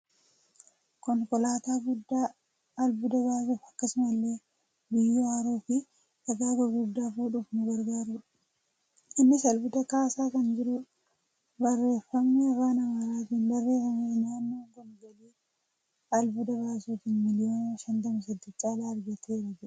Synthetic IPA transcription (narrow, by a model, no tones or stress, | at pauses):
kɔŋkɔlaːt̪aːɡʊd̪ːaː | ɐlbʊd̪ɐbaːsuːfɐkːɐsʊmɐlːe̞ː | bɪjːuaːɾuːfɪ | ɐɡaːɡɐɡʊd̪ːaːfuːᶑʊfnʊɡɐɾɡaːɾʊᶑ | ɪnːɪsɐlbʊt̪ɐkaːsaːkɐnd͡ʒɪɾʊ | bɐrːe̞ːfːɐmnɛɐfaːnɐmaɾaːt̪iːnbɐrːe̞ːfɐmenaːnːoːŋɡɔnɡɐliː | ɐlbʊd̪ɐβaːsuːt̪ɪnmɪlɪjo̞ːnɐʃɐnt̪ɐmɐsɐd̪ːɪt͡ʃʼːaːd̪aːɾɡɐt̪ʰeːɾɐd͡ʒɛᶑɐ̥